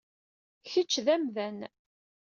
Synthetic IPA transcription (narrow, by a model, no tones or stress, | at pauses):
çət͡ʃːðæmðæn